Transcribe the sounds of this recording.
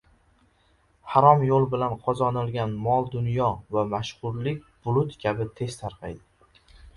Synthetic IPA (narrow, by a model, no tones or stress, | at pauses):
haɾɒmjolˠbɪlanqʰɒzɒnɪlˠɡʲanmɒlˠd̪ʊnjɒvamaʃχʊɾlɪkʲb̥ʊlˠʊt̪kʲʰabɪt̪ʰe̞st̪ʰaɾqʰɑjd̪ɪ